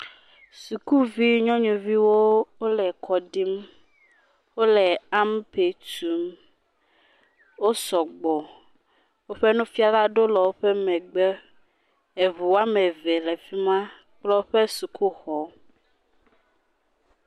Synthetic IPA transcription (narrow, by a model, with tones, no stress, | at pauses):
su˨ku˦vi˦ɲɔ̃˦ɲũ˨vi˦wo˦wo˦lɛ˨kʰɔ˨ɖi˦m | wo˦lɛ˨a˦m˦pe˨tu˦m | wo˦sɔ˨ɡ͡bɔ˨ | wo˦ɸe˦nũ˦fi˦a˦la˦ɖo˦lɔ˨wo˦ɸɛ˦mɛ̃˨ɡ͡bɛ˦ | e˨vu˨wa˦mɛ˨vɛ˨lɛ˨fi˦mã˦ | k͡plɔ˦ɸe˦su˨ku˦xɔ˨